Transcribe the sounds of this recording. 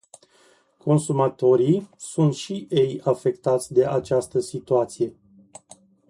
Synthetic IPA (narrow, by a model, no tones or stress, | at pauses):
ko̞nsumat̪o̞ɾisunt̪ʃiʔe̞jafe̞kt̪at̪sʲd̪e̞ʔat͡ʃast̪əsit̪uat̪sije̞